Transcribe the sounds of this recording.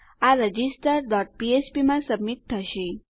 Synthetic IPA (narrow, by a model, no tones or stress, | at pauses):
aɾəd͡ʒisʈəɾɖɔʈ̚piespimãsəbmit̪̚t̪ʰːəʃi